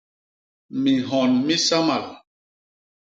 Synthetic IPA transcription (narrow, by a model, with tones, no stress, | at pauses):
mi˨ɦɔ˨nmi˦sa˦ma˨l